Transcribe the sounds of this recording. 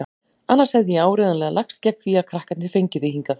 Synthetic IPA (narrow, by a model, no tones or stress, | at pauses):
a | anːaɾshɛvðɪjɛaːwɾɪːðanlɛɣalakst̪̚cɛk̚nθiakʰɾahkat̪nɪfejɲcɪðɪhiŋkaθ